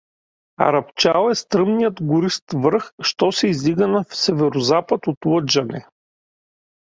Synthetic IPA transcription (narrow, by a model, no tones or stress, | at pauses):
ɐ̰ɾɐpt͡ʃalˠɛst̪ɾɤmnijət̪ɡʊɾist̪vəɾxʃt̪ɔsɛizliɡənɐfsɛvɛɾʊzapət̪ot̪lˠɤd͡ʒɐnɛ̰